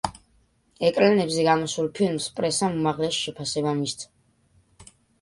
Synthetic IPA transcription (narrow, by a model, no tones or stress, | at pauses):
ɛkʼlanɛbzɛɡamɔsulˠpʰilmspʼɾɛsamumaʁlɛsʃɛpʰasɛbamist̪ʰ